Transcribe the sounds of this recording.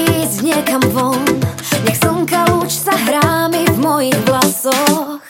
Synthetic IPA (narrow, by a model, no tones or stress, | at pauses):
zɲɪɛkamvɔnɲɛxsɔŋkaut͡ʃsaɦɾaːmivmɔjiɣɦlasɔx